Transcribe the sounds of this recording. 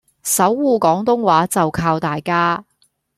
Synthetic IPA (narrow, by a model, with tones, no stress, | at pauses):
sɐ˨˥wːuː˨˩kɔː˨˥ŋt̪ʊ˥ŋwaː˨˥t͡sɐ˨wkʰaː˧wt̪aː˨jkaː˥